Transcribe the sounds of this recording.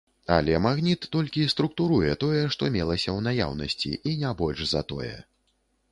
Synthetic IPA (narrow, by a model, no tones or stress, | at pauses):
a̰lʲɛmaɣnʲit̪ːɔlʲkʲist̪ɾukt̪uɾujɛt̪ɔjɛʂt̪ɔmʲɛlˠɐsʲɐwnaja̰wnɐsʲt͡sʲḭʔinʲabɔlʲʂzɐ̰t̪ɔ̰jɛ̰